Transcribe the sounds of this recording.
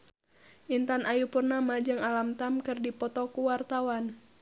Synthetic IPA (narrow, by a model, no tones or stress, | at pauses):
ʔint̪anʔajupurnamad͡ʒɨŋalamt̪amkɨrdipɔt̪ɔkuwart̪awan